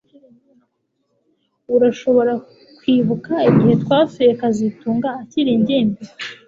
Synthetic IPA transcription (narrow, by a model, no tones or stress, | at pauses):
uɾaʃo̞βo̞ɾa | kwiːβukaiɟihe̞tkwaːfojekazituːŋɡaːciɾiɲɟiːmbi